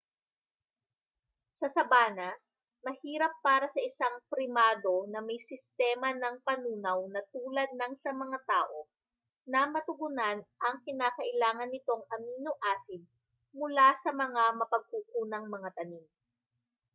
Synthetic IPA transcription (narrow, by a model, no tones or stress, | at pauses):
sɐsɐbaːnɐ | mɐhiːɾɐpːaːɾɐsɐʔɪsaŋpɾɪmaːd̪o̞nɐmɐjsɪst̪ɛːmɐnɐŋpɐnuːnɐwnɐt̪uːlɐd̪̚nɐŋsɐmɐŋat̪aːʔo̞ | nɐmɐt̪ʊɡʊnanʔɐŋkɪnaːkɐʔɪlaːŋɐnːɪt̪o̞ŋɐmiːnoʔaːsɪb̚ | mʊlasɐmɐŋamɐpɐɡ̚kuːkuːnɐŋmɐŋat̪ɐnim